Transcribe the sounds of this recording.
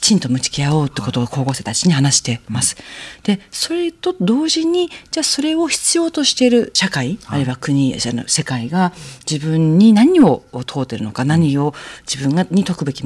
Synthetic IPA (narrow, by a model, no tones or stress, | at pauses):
i̥t͡ɕĩnt̪o̞mɯ̟t͡ɕi̥kʲiao̞ːt̪ːeko̞t̪ooko̞ːɡo̞ːset̪at͡ɕiɲ̟ihanaɕi̥t̪e̞masɨ̥d̪̥e̞so̞ɾe̞t̪o̞d̪o̞ːʑiɲ̟id͡ʑaːso̞ɾe̞o̞çi̥t͡sɨjo̞ːt̪o̞ɕi̥t̪e̞ɾɯ̟ɕakaiaɾɯ̟iβakɯ̟ɲ̟iano̰se̞kaiɡad͡ʑibɯ̟̃ɲːinaɲ̟io̞t̪ʰo̞ːt̪ːe̞ɾɯ̟no̞kanaɲ̟io̞d͡ʑibɯ̟̃ŋɡaɲ̟it̪o̞kɯ̟be̞kʲi